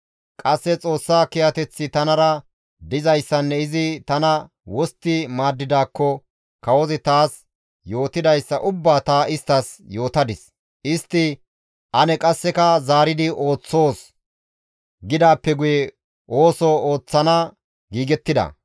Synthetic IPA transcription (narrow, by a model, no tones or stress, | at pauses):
kʼɐsːɛt͡sʼo̞ːsːaːkɪjɐt̪ɛt͡sːɪt̪ɐnɐɾɐ | d̪ɪzɐjsːɐnːɛɪzɪt̪ɐnɐ | wɔst̪ːɪmaːd̪ːɪd̪aːkːɔ | kɐwɔzɪt̪aːs | jo̞ːt̪ɪd̪ɐjsːɐʔʊbːaːt̪aːʔɪst̪ːɐsjo̞ːt̪ɐd̪ɪs | ʔɪst̪ːɪ | ʔɐnɛkʼɐsːɛkɐzaːɾɪd̪ɪʔo̞ːt͡sːo̞ːs | ɡɪd̪aːpːɛɡʊjɛ | ʔo̞ːsɔoːt͡sːɐnɐ | ɡiːɡɛt̪ːɪd̪ɐ̰